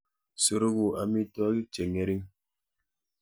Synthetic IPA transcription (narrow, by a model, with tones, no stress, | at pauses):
so˨ɾu˦ɣu˨a˨mi˦tɔ˦a˦ki˦t͡ʃe˨ŋe˦ɾi˦ŋ